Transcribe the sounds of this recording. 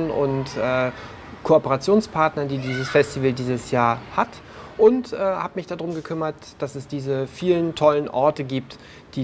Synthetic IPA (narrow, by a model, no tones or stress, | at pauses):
nʔʊ̰ntʔɛː | kʰoopəʁat͡sjoːnspʰaɐtnɐndiːdiːzəsfɛstivəldiːzəsjaːɐhat | ʔʊntʔɛːhaːbmɪçd̥adʁʊmɡəkʰʏmɐt | d̥asɛsd̥iːzəfiːləntʰɔlənʔɔɐtəɡiːp̚t | d̥iː